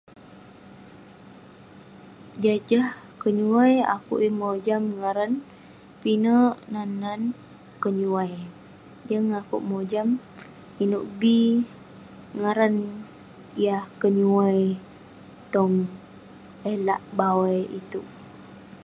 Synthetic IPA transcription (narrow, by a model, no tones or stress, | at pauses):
d͡ʒad͡ʒah | kəɲuaja̰kṵʔjəmod͡ʒamŋaɾan | pinəʔnanan | kəɲuwaj | jəŋakṵʔmod͡ʒam | inuʔbi | ŋaɾan | ijahkəɲuaj | t̪ɔŋ | elaʔbawajit̪u